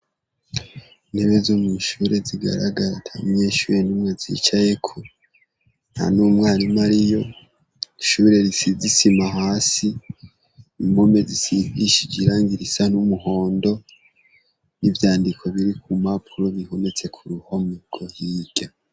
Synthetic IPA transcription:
neβezomuʃuɾe̞ziɡa̰ɾa̰ɡaɾtʰamɲe̞ːʃuːɾenumŋe̞zḭt͡ʃaje̞kʰu | n̥a̰numŋaːɾimaɾijo̞ | ʃuɾe̞ɾisizisimaɦaːsi | imomezisiviʃid͡ʒiɾaːŋɡiɾisan̥umuɦoːndo̞ | nivjaːndikʰo̞βiɾikumapʰuɾoβihone̞t͡se̞kʰuɾuhomuɡ̥o̞hiːɡ̥a

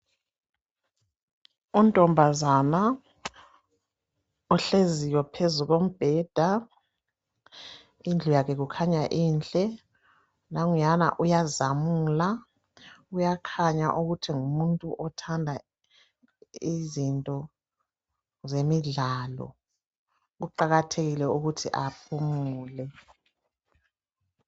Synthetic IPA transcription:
untʼɔmbʱazana | ɔɬezijɛpʰezuɣom̩b̥ʱɛːd̥ʱa | ind͡ɮʱujakʰɛɣukʰaɲaʔiːnd͡ɮʼɛ | naŋujana̰ʔujazamuːla | ujakʰaɲa̰ʔuɣutʰiŋumuntʼuʔɔtʰandʱa | izintʼɔ | zemiɮalɔ̰ | ɣuǃaɣatʰeɣilɛuɣutʰiʔapʰumuːlɛ

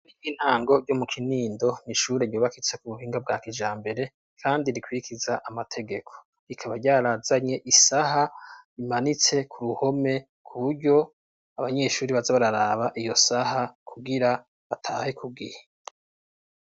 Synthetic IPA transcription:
ɾiiːn̥haːŋɡo̞ɾɟo̞mukʰiniːndo̞niʃuːɾejoːβakit͡se̞kuβuɦiːŋɡab̚ɡaːkid͡ʒaːmbe̞ɾe̞ | kʰaːndiɾikwiɾikizaʔamatʰe̞ɡe̞kʰo̥ | ɾikʰaβaɾɟaːɾaːzaɲe̞ʔisaɦaimanit͡se̞kʰuɾuho̞me̞ | kʰuβuɾɟo̞ | aβaɲe̞ʃuːɾiβazaβaɾaɾaːβaʔijo̞saɦakʰuɡiɾa | βatʰaːhekʰuɡihe

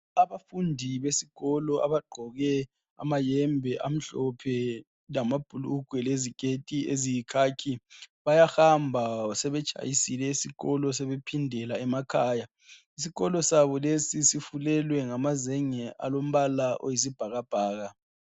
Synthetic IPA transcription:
aβafundʱiβesiɣ̥ɔlɔa̰βaɡ͡ǃʱɔɣɛ | a̰majɛmbʱɛʔam̩ɬɔpʰɛ | lamab̥ʱuluɡ̥ʱwɛleziɡ̥ʱetʼiezijikʰaːkʰiβajahambʱasɛβɛt͡ʃʼa̰jisilɛisiɣɔlɔsɛβepʰindʱɛlaɛmakʰaːja | isiɣɔlɔsaβɔlesisifulɛlwɛŋamazɛŋɛʔa̰lom̩βalaʔo̰jizib̥ʱaɣab̥ʱaːɣa

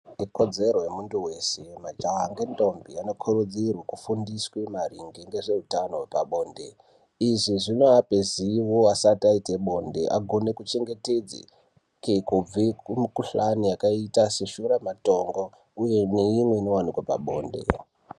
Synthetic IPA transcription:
ikod͡ze̞ɾojemuntuwe̞se̞mad͡ʒaaŋɡendo̞mbiano̞kʰoɾud͡zirwakufundiswemariŋɡeŋɡe̞ʐe̞utano̞wepaɓo̞ːnde̞̰ | iʐiʐino̞apeziwoasataiteɓo̞nde̞ʔaɡʱo̞ne̞kut͡ʃe̞ŋɡe̞te̞d͡zḭ | kekub͡vikmikuɬanijakaitaseʃuɾamato̞ŋɡo̞ | ujene̞imwe̞inowan̤ukwopa̰ɓo̞ːnde̞̰

